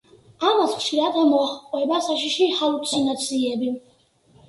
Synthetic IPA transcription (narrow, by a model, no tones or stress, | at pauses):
amasχʃiɾad̪ɛmɔaχqʼwɛbasaʃ̬iʃihalut̪sʰinat̪sʰiɛbi